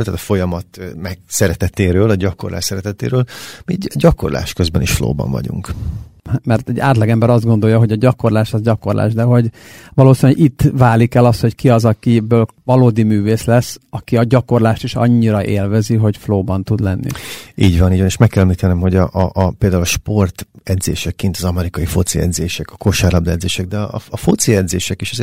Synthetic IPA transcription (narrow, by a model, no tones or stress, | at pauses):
lt̪aːt̪fo̞jɒmɒt̪mɛɡsɛɾɛt̪ɛt̪eːɾøːlɒɟɒko̞rlaːʃsɛɾɛt̪ɛt̪ḛːɾøːlmiɟɒko̞rla̰ːʃkøzbɛnḭʃflo̰ːbɒ̰ɱvɒ̰ɟṵŋk | mɛrt̪ɛɟːaːt̪lɒɡɛmbɛɾɒzd̪ɡo̞nd̪o̞jːɒɦo̞ɟɒɟɒko̞rlaːʃɒzɟɒko̞rlʔa̰ːʒd̪ɛɦo̞ɟ | vɒloːsinɛɟit̪ːvaːlikɛlɒst̪ho̞ckiɒzɒkibøːlvɒloːd̪imyːveːslɛsːɒkiɒɟɒko̞rlaːʃt̪iʃɒ̰ɲːiɾɒʔeːlvɛziɦo̞ɟfloːbɒnt̪ud̪lɛnːḭiːɟʋɒniːɟvɒneːʃmɛkːɛlɛmliːt̪ɛnɛmho̞ɟɒʔʔpeːld̪aːulɒʃpo̞rt̪ɛd̪zḛːʃɛkːint̪ɒzɒmɛɾikɒjifo̞t̪siɛ̰d̪zeːʃɛkɒkoʃaːɾlɒbd̪ɛd̪zeːʃɛɡ̚d̪ɛɒ̰ɒfot̪siɛd̪zeːʃɛkiʃɛze